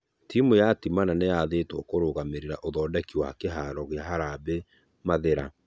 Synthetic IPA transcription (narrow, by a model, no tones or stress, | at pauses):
tʰimojatimananejaðeːtwɔkoɾoɣameɾeɾaʔoðɔːdɛkiwa̰keɦaːɾɔɣeaɦaɾaːbe | maðeɾa